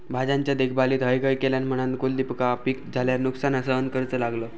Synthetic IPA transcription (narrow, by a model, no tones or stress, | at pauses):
bʱad͡zaɲt͡ɕjad̪ek̚ʰbaliːt̪ɦəjkəjkeljanm̤əɽ̃ãnkold̪ipəkapik̚d͡zʱaljaɾnuksanəsəənkəɾt͡səlaɡləː